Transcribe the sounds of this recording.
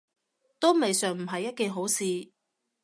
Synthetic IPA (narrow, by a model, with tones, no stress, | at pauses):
t̪o˥wme˨jsœː˨ŋm̩˨˩ɦɐ˨jːɐ˥t̚keː˨˧ɦo˨˥wsiː˨˧